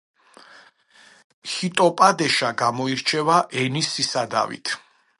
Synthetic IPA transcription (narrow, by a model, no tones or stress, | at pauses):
hit̪ʼɔpʼad̪ɛʃaɡamɔiɾt͡ʃʰɛvaʔɛnisisad̪a̰vḭt̪ʰ